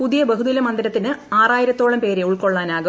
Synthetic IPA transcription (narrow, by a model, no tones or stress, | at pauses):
puðijɐbɐɦuðilɐmɐnd̪iɾɐt̪ːinɨaːraːjiɾɐt̪ːo̞ːɭɐmpe̞ːɾeuɭko̞ɭːaːnaːɣɐ